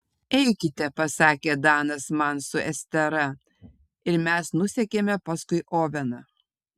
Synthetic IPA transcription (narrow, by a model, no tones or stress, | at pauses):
ɛɪkʲɪt̪ʲɛpɐsɑːkʲeːd̪ɑːnɐsmɐnsʊʔɛsʲt̪ʲɛɾɐ | ɪɾmʲæsnʊsʲɛkʲeːmʲɛpɐskʊɪʔoːʋʲɛnɐ